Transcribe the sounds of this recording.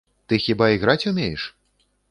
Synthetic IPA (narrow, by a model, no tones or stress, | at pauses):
t̪ɨxʲibaiɣɾat͡sʲumʲejɛʂ